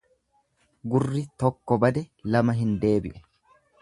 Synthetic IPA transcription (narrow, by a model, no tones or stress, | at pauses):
ɡʊrːɪt̪ɔkːɔbɐd̪ɛlɐmɐɦɪnd̪e̞ːbɪʔɛ̥